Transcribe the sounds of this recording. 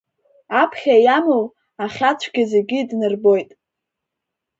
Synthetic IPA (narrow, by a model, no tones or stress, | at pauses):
apʰχʲajamɨw | aχʲat͡ɕʷʰɡʲazeɡʲidnɨrbo̞jtʼ